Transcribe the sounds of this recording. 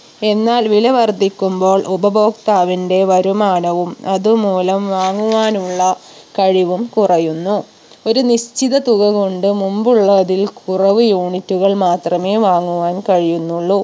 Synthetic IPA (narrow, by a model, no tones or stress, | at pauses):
e̞nːaːlʋilɐʋɐrd̪ʱikʲːumbo̞ːɭʔubɐbo̞ːkt̪aːʋinde̞ʋɐɾumaːɳɐʋumɐðumuːlɐmʋaːŋːuʋaːnuɭːɐ | kɐɻiʋumkurɐjunːu | o̞ɾuniɕt͡ɕiðɐt̪uɣɐɣo̞ɳɖɨmumbuɭːɐðilkʰurɐʋɨjuːɳitːuɣɐɭmaːt̪rɐme̞ːʋaːŋːuʋaːnkɐɻijunːuɭːu